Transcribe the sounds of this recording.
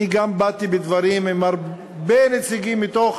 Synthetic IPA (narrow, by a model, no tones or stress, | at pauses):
iɡambat̪ibed̪vaʁimemaʁ | benet͡siɡimːit̪oχ